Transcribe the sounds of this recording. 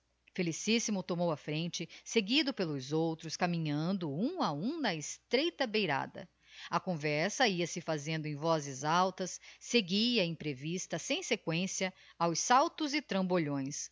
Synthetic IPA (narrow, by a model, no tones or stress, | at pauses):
felisisimʊt̪omowɐfɾẽnt͡ʃɪseɡid̪ʊpelʊzowt̪ɾʊskamĩɲɐ̃nd̪ʊũɐũd̪ɐɪst̪ɾejt̪ɐbejɾa̰d̪ɐ̰ | ɐkõvɛɾsɐiɐsɪfazẽnd̪ʊẽj̃vɔzɪzawt̪ɐsːeɡiɐẽj̃pɾevist̪ɐsẽj̃sekwẽsiɐawssawt̪ʊzɪt̪ɾɐ̃boʎõj̃s